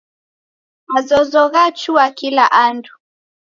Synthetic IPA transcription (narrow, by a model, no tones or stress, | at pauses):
wazɔzɔɣat͡ʃuwakilaʔandu